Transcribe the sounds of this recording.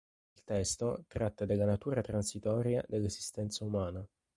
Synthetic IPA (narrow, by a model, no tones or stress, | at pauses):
ilt̪ɛst̪ot̪ɾat̪ːad̪elːanat̪uːɾat̪ɾansit̪ɔːɾjad̪elːezist̪ɛnt̪saumaːna